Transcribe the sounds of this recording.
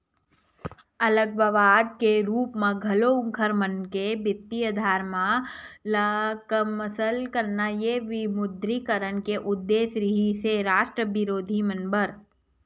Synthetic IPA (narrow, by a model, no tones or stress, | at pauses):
ɐləɡ̚ʋəʋaːd̪̚keɾuːpmẽɡʱɐloʊ̃ŋkʰəɾmənkebɪt̪ːiəd̪ʱaːɾmãləkəməsəlkəɾnajeʋɪmʊd̪ɾikəɾənkeʔʊd̪ːeːsɾiɦiseɾaːʃʈɾəʋɪɾoːd̪ʱimənbəɾ